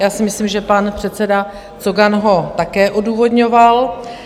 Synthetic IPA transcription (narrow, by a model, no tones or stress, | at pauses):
jaːsɪmɪslimʒɛpanpr̥ɛt̪t͡sɛda | t͡soɡanɦo̞t̪akɛːʔoduːvo̞dɲo̞val